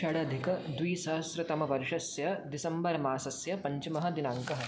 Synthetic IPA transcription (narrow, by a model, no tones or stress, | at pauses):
ʃɐɽɐɐd̪ʱikɐd̪wiːsɐɦɐsɾɐt̪ɐmɐʋɐɾʃɐsjɐd̪isɐmbɐɾmaːsɐsjɐpɐɲt͡ʃɐmɐɦɐ̆d̪inãːŋkɐɦɐ̆